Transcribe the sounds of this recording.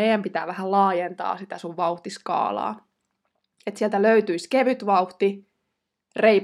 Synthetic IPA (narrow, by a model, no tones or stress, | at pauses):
eijæmpit̪æ̰ːʋæhællɑːjent̪ɑ̰ːsit̪æsuʋʋɑuht̪iskɑ̰ːlɑ̰ː | et̪siɛlt̪æløyt̪yiskeʋyt̪ʋɑuht̪i | reip